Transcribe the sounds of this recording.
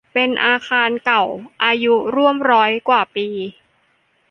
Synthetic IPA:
pe˧nʔaː˧kʰaː˧nka˨˩wʔaː˧ju˦˥ɾu˥˩əmɾɔː˦˥jkwaː˨˩piː˧

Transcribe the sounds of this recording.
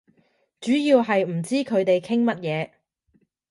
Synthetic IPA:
t͡ʃyː˨˥jiː˧wɦɐ˨jm̩˨˩t͡siː˥kʰɵ˨˧ɥt̪e˨jkʰɪ˥ŋmɐ˥t̚jɛː˨˧

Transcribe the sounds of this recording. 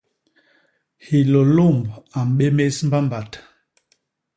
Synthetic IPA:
hi˨lo˨lo˦˨mba˨m̩˨ɓe˦me˦sm̩˦ba˦mba˨t

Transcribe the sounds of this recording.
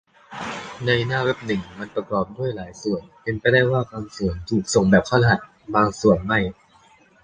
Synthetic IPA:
na˧jnaː˥˩we˦˥p̚nɯ˨˩ŋma˧npɾa˧kɔː˨˩p̚du˥˩əjlaː˩˦jsu˨˩ənpe˧npa˧jdaː˥˩jwaː˥˩kʰaː˧msu˨˩ənt̪ʰuː˨˩k̚so˨˩ŋbɛː˨˩p̚kʰɔː˥˩la˧ɦa˨˩t̪̚ | baː˧ŋsu˨˩ənma˥˩j

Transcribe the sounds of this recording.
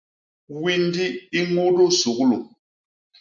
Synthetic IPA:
wi˦n˦di˦i˦ŋo˦do˦su˨˦klu˨

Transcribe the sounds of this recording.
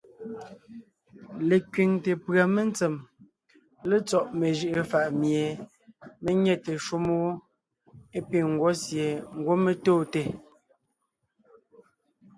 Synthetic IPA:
le˨kɥi˨ŋte˨pɰa˨me˦nt͡se˨m | le˦t͡sɔ˨ʔme˨ʒi˦ʔə˦˨fa˨ʔmje˨ | me˦ɲɛ˦˨te˨ʃu˦mo˦ | e˦pi˨ŋ̩˨ɡwɔ˨˦sje˨ŋ̩˦ɡwo˦me˨toː˦˨te˨

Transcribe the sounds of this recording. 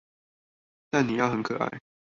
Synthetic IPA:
t̪a˥˨nni˨˩jɑ˥˩ʊxə˧˥nkʰɤ˨˩ʔa̰˥˩ɪ

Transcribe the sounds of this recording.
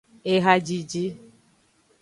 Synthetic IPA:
e˦ɦa˦d͡ʒi˨d͡ʒi˦

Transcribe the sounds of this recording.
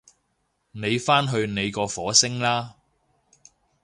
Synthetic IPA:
ne˨˧jfaː˥nɦɵ˧ɥne˨˧jkɔː˧fɔː˨˥sɪ˥ŋlaː˥

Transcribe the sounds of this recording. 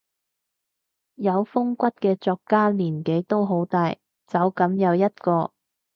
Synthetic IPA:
jɐ˨˧wfʊ˥ŋkʷɐ˥t̚kɛː˧t͡sɔː˧kːaː˥liː˨˩nke˨˥jt̪o˥wɦo˨˥wt̪aː˧j | t͡sɐ˨˧˥wkɐ˨˥mjɐ˨˧wjɐ˥t̚kɔː˧

